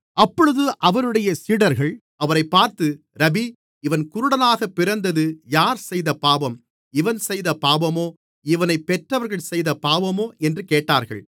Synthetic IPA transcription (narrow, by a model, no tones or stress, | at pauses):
ɐpːɔɻɯðɯʔɐʋɐɾɯɽɐjɐsiːɽɐɾɣɐɭ | ɐʋɐɾɐɪpːaːɾt̪ɯ | ɾɐbi | ɪʋɐnkʊɾʊɽɐnaːɣɐpːɪɾɐnd̪ɐðɯjaːɾsɛjðɐpaːbɐm | ɪʋɐnsɛjðɐpaːbɐmoː | ɪʋɐnɐɪpːɛʈrɐʋɐɾɣɐɭsɛjðɐpaːbɐmoːʔɛndrɯkeːʈːaːɾɣɐ̰ɭ